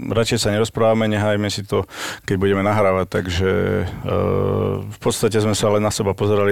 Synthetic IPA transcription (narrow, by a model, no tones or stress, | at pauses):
ɾat͡ʃɛjsaɲɛɾɔspɾaːʋamɛɲɛɦaːjmɛsit̪ɔkɛɟbuɟɛmɛnaɦɾaːʋact̪ːaɡʒɛ | fpɔt̪st̪acɛzmɛsalɛnːasɛbapɔzɛɾali